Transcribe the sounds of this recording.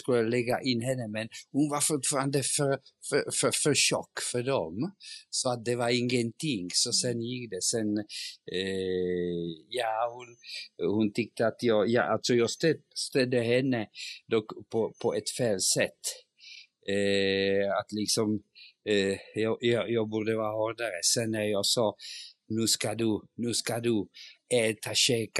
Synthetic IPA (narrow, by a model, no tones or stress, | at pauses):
skɵlɛɡːa̰ʔɪnːɦɛnːəmɛnhʊnvaɾfʊt̪fɑːɾand̪əfœɾfffœɾʂɔ̰kːfœɖɔmsɔat̪̚d̪ɛvaɾɪŋːənt̪ʰɪŋːsɔsɛnjɪkːd̪ɛsɛn | jɑːhʊnhʊnt̪ʰʏk̚t̪əat̪jɑːɡjɑ̰ːʔalt̪sɔjɑːɡst̪ɛst̪ɛd̪əhɛnːəd̪ɔkpʰɔpʰɔʔɛt̪feːlsɛt̪ː | at̪lɪksɔm | jɑjjɑːɡbʊːɾd̪əvɑːɾhɔɾd̪aɾəsɛnːæjɑsɑːnʉːskad̪ʉnʉːskad̪ʉɛːt̪ʰaɕɛːk